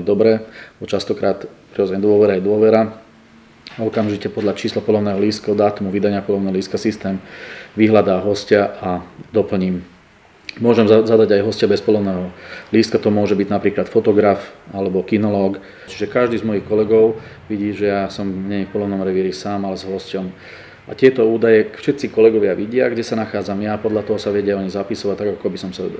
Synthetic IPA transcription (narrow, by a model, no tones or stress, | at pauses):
d̪ɔbɾɛɔt͡ʃast̪ɔkɾaːt̪pɾiɔzɛɲɛd̪ʊɔʋɛɾajɛd̪ʊɔʋɛɾa | ɔkamʒicɛpɔd̪ʎat͡ʃiːslapɔlɔʊnɛːɦɔliːskaɔd̪aːt̪umuʋid̪aɲɪapɔlɔʊnɛːɦɔliːskasist̪ɛːmʋiɦlad̪aːɦɔscaʔad̪ɔpl̩ɲiːm | mʊɔʒɛmzad̪aɟajɦɔscabɛspɔlɔʊnɛːɦɔliːst̪kat̪ɔmʊɔʒɛbiɟnapɾiːklat̪fɔt̪ɔɡɾafalɛbɔkinɔlɔːk | t͡ʃiʒɛkaʒd̪iːzmɔjixkɔlɛɡɔʊ | ʋiɟiːʒɛjasɔmɲɛɲɛfpɔlɔʊnɔmɾɛʋiɾisaːmalɛzɦɔscɔm | ʔa̰t̪ɪɛt̪ɔuːd̪ajɛfʃɛt̪t͡sikɔlɛɡɔʋɪaʋiɟɪaɡɟɛsanaxaːd͡zamjaːpɔd̪ʎat̪ɔɦɔsaʋɛɟɪaɔɲizapisɔʋac̚t̪aɡakɔabisɔmsa̰